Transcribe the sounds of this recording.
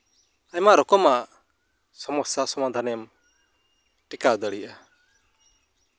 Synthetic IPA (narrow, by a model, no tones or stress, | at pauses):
aɲmaɾɔkɔmaʔ | sɔmɔsasɔmad̪ʱanɛm | ʈikad̪əɽiʔa